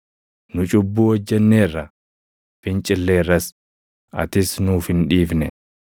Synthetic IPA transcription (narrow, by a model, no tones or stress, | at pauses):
nʊt͡ʃʼʊbːuːɔd͡ʒːɛnːe̞ːrːɐ | fɪnt͡ʃʼɪlːe̞ːrːɐs | ʔɐ̰t̪ɪsnʊːfɪnᶑiːfnɛ